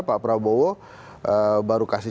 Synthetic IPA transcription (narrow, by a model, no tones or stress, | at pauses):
papɾabowɔ | əbaɾukasi